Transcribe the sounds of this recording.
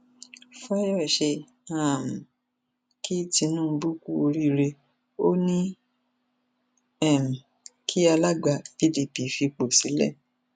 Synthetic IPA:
fɔ˦jɔ˦˨ʃe˧ | a˦˨m̩˨ | kʰi˦ti˧nũː˦˧bu˦ku˦o˧ɾi˦ɾe˧ | o˦nĩ˦ | ɛ˦˨m̩˨ | kʰi˦a˧la˦ɡ͡ba˧˨fi˦di˧pi˨fi˧k͡po˨si˨˦lɛ˦˨

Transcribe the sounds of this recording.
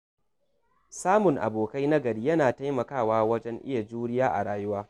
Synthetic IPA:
saː˦mʊ˨ŋʔa̰˨boː˨ka˦jnɐ˦ɡɐ˨ɽiː˦jɐ˦naː˨ta˦jmɐ˨kaː˦˨waː˦wɐ˦d͡ʒɛ˦ŋʔɪ̰˦ja˨d͡ʒuː˦ɽɪ˦jaː˦ʔa̰˨ɽaː˨jʊ˦waː˦

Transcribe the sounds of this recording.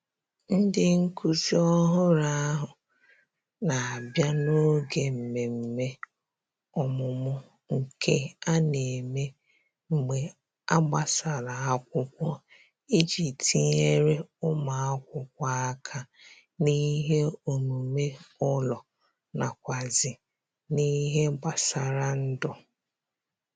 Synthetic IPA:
n̩˦dɪ˦ŋ̩˦ku˦si˦ɔ˦ɦʊ˦ɾa˦a˦ɦʊ˨ | na˨a˨bja˦no˦ɡe˨m̩˨me˨m̩˨me˦ | ɔ˨mʊ˨mʊ˦ | ŋ̩˨kʰe˦a˦ne˨me˦ | ŋ͡m̩˨ɡ͡be˨ | a˦ɡ͡ba˦sa˨ɾa˨a˦kʷʊ˦kʷɔ˦ | i˦d͡ʒi˨ti˨ɲe˦ɾe˦ʊ˦ma˨a˦kʷʊ˦kʷa˦a˦kʰa˨ | ni˦ɦe˦o˨mu˨me˦ɔ˦lɔ˨ | na˨kʷa˨zɪ˨ | ni˦ɦe˦ɡ͡ba˨sa˨ɾa˦n̩˦dʊ˦

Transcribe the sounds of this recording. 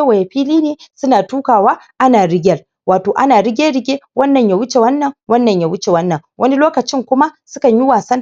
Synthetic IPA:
wa˨ja˨ɸiː˦liː˦neː˨sʊ˦naː˨tuː˦kaː˨waː˦ʔa˦naː˨ɽɪ˦ɡʲɐ˦r | waː˨toː˨ʔa˦naː˨ɽɪ˦ɡʲe˦ɽɪ˦ɡʲeː˦wɐ˦nːɐ˨ɲja˨wʊ˦t͡ʃe˨wɐ˦nːɐ˨ŋwɐ˦nːɐ˨ɲja˨wʊ˦t͡ʃe˨wɐ˦nːɐ˨ŋwʔɐ˦ni˦loː˦kɐ˨t͡ʃɪ˦ŋkʷʊ˦ma˦sʊ˦kɐ˨ɲji˦waː˨sɐ˦

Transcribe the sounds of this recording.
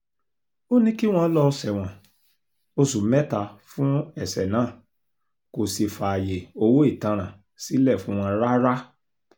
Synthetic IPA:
o˦nĩ˦ki˦w̃ɔ̃˧˦lɔ˧sɛ˨w̃ɔ̃˨ | o˧su˨˦mɛ˦ta˧fũ˦ɛ˦˨sɛ˨nãː˨˦˨ | ko˨si˧fa˨a˨je˨o˧wo˦i˦˨tã˧ɾ̃ã˨ | si˨˦lɛ˦˨fũ˨˦w̃ɔ̃˧ɾa˦ɾa˦

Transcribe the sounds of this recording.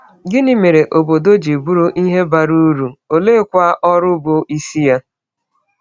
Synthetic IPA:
ɡɪ˦nɪ˦me˨ɾe˨ʔo˨bo˨do˦d͡ʒi˨bu˦ɾo˦ʔi˦ɦe˦ba˨ɾu˦ɾu˨o˨le˦kʷa˦ʔɔ˦ɾʊ˦bo˨ʔi˦si˦ja˦

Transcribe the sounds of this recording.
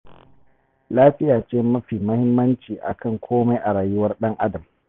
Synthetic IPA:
laː˦ɸɪ˦jaː˨t͡ʃeː˦mɐ˦ɸiː˨mɐ˦hɪ˦mːɐ˦nt͡ʃiː˨ʔa̰˨kʰɐ˦˨ŋkʷʰoː˦ma˦jʔa˨ɾaː˨jʊ˦wɐ˦rɗɐ˦ŋʔa˦dɐ˨m

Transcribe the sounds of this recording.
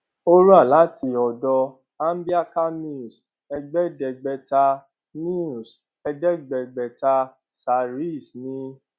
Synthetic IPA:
o˦ɾu˦a˦˨la˨˦ti˧ɔ˨dɔ˧ | a˦n̩˦bi˦a˦ka˦mĩ˦˨s | ɛ˧ɡ͡bɛ˦dɛ˨ɡ͡bɛ˧ta˧ | nĩ˦u˨s | ɛ˧dɛ˦ɡ͡bɛ˨ɡ͡bɛ˨ta˧ | sa˨ɾi˦˨snĩ˧

